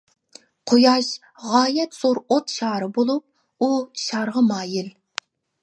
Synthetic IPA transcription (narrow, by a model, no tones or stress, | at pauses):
qʰojɑʃ | ʁɑːjɛt̪z̥oɾot̪ʃɑːɾɨbolˠup̚ | uʃɑɾʁəmɑːjɪl